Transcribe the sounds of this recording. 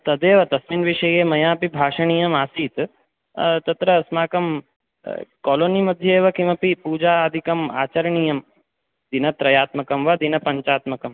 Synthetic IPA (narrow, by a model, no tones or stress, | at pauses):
t̪ɐd̪eːʋɐt̪ɐsminʋiʂɐjeːmɐjãːpibʱaːʂɐɳ̃ijɐmaːsiːt̪ | t̪ɐt̪ɾɐsmaːkɐm | kɔːloːnimɐd̪ʱjeːʋɐkimɐpipuːd͡ʒaːd̪ʱikɐmaːt͡ʃɐɾɐɳijɐm | d̪inɐt̪ɾɐjaːt̪mɐkɐmʋɐd̪inɐpɐɲt͡ʃaːt̪mɐkɐm